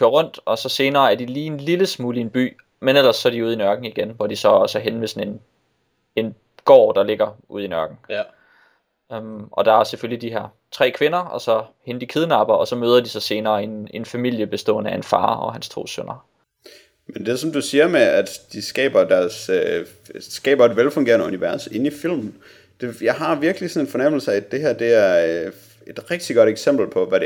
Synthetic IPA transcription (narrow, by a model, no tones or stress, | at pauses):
kʰøɐʁɔ̽n̰d̥ɒ̽sɒ̽se̝ːnɐːæɐd̥iliːe̝nliləsmuːlie̝nb̥y̰ː | menel̰ɐsːɒædiuð̞ˠinɶɐɡ̥n̩iɡ̥enʋɒd̥isɒ̽ɒ̽sæɦenmesɒ̽ne̝n | e̝n | ɡ̥ɒ̰ːd̥ɑ̈le̝ɡ̥ɐʔuð̞̰ˠinɶɐɡ̥n̩ | ømʔɒ̽d̥ɑ̈æɐseføllid̥iɦeɐ | t͡sʰʁɛ̰ːkʰʋe̝nɐɒ̽sɒ̽henəd̥ikʰeð̞ˠnɑ̈b̥ɐɒ̽sɒ̽møːð̞ˠɐd̥isɒ̽se̝ːnɐːe̝ne̝nfæmil̰jəb̥e̝sd̥ɔ̰̽ːnəæe̝nfɑ̰̈ːɒ̽ɦænst͡sʰo̝̰ːsønɐ | mend̥e̝sɒ̽md̥usiːɐmeæd̥d̥isɡ̥ɛ̰ːb̥ɐd̥æɐsø | sɡ̥ɛ̰ːb̥ɐe̝d̥ʋelfɔŋɡe̝ːɐnəuniʋæɐse̝n̩ifil̰mn̩ | d̥e̝jɑɪɦɑ̈ʋiɐɡ̥əlisɒ̽ne̝nfɒ̽nem̰l̩sɐid̥e̝hæɐ̰d̥e̝æɐ | e̝d̥ʁɛɡ̥̚d̥iɡ̥ɒ̽ɾ̥eɡ̥sem̰b̥l̩pʰɒ̽ʋæɾe